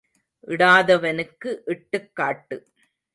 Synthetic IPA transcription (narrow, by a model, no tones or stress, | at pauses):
ʔɪɽaːðɐʋɐnɯkːɯʔɪʈːɯkːaːʈːɯ